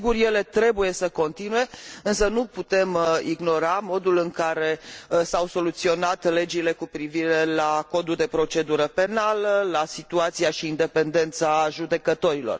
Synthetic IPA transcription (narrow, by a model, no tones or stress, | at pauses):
ɡurje̞le̞t̪ɾe̞buje̞səko̞nt̪inue̞ɨnsənuput̪e̞miɡno̞ɾamo̞d̪ulɨŋkaɾe̞sawso̞lut̪sio̞nat̪le̞d͡ʒile̞kupɾiviɾe̞lako̞d̪uld̪e̞pɾo̞t͡ʃe̞d̪uɾəpe̞naləlasit̪uat̪siaʃiːnd̪e̞pe̞nd̪e̞nt̪saʒud̪e̞kət̪o̞ɾilo̞̰r